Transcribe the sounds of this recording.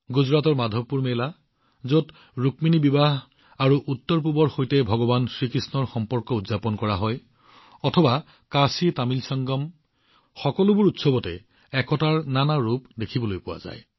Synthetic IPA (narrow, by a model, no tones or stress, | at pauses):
ɡuzɹatɔɹmadʱɔpːuɹmela | zot | ɹukminibibaɦ | aɹuʔutːɔɹp̬ubɔɹxojtɛbʱɔɡɔbansɹikɹisnɔɹxɔmpɔɹkɔudzapɔnkɔɹaɦɔj | ɔtʰɔba | kasitamilsɔŋɡɔm | xɔkɔlʊbuʊɹutsɔbɔtɛ̰ | ɛkɔtaɹnanaɹupdekʰibɔlojpʊwa̰za̰j